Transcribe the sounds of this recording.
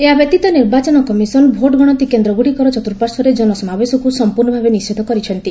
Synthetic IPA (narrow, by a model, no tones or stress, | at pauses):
eɦabɔt̪it̪ɔniɾbat͡ʃɔnɔkɔmisɔnbʱoʈɡɔɽ̃ɔt̪ikend̪ɾɔɡuɽikɔɾɔt͡ʃɔt̪uɾpaɾsɔɾed͡ʒɔnɔsɔmabesɔkusɔmpuɾnɔbʱabenist͡ʃʰid̪ʱɔkɔɾit͡ʃʰɔnt̪i